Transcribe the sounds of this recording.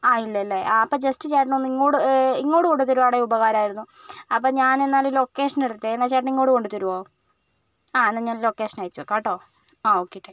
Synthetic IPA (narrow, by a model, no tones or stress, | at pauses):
aːilːɐilːeaɐpːoːd͡ʑestɨt͡ɕaːʈ̬ːɐnonːiŋːoːɽɨiŋːo̞ːɽɨkoɳɖɨt̪̬ːoɾuʋaːɽeubɐɣaːɾaːjiɾunːu | ɐpːoːɲaːnenːaːllokːe̞ːʂɐneɽt̪ːeenːaːt͡ɕaːʈniŋːoːɽɨko̞ɳɖut̪oɾuʋaː | aːenːɐɲaːnlo̞kːeːʂɐnaːjit͡ɕːuʋɐkːaːʈːoː | aːoːkːeʈːe